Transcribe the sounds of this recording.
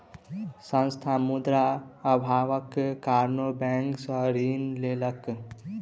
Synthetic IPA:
sə̃nst̪ʰamud̪ɾaəbʱaʋəkkːaɾnobɛ̃ŋksə̃ɾinlelək

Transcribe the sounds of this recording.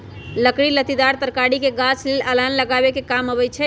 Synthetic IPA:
ləkɽilət̪id̪aɾt̪əɾkaɽikeɡat͡ʃʰleləlanləɡabekekamɦəβɛt͡ʃʰɛ

